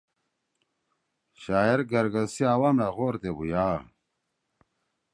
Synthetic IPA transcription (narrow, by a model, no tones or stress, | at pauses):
ɕaːiɾɡɐɾɡɐsiaːwamlaɣoːɾt̪ebujaː